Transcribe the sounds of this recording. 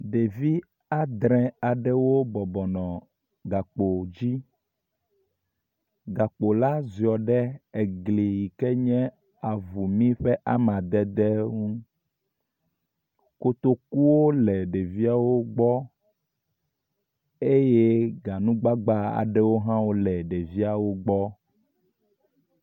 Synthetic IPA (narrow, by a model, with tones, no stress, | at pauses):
ɖe˨vi˦ | a˦d̪ɾɛ̃˨a˨ɖɛ˦wo˦bɔ˨bɔ˨nɔ̃˨ | ɡa˨k͡po˨d͡ʑi˦ | ɡa˨k͡po˨la˦zi˨ɔ˨ɖɛ˦e˨ɡli˨ji˨kɛ˦ɲɛ̃˦ | a˨vu˨mĩ˦ɸɛ˦ʔa˦mã˨d̪ɛ˦d̪ɛ˦ŋũ˦ | ko˨t̪o˦ku˦wo˦lɛ˨ɖe˨vi˦a˦wo˦ɡ͡bɔ˦ | e˦je˦ɡa˨nũ˦ɡ͡ba˦ɡ͡ba˦a̰˨ɖɛ˦wo˦ɦã˦wo˦lɛ˨ɖe˨vi˦a˨wo˦ɡ͡bɔ˦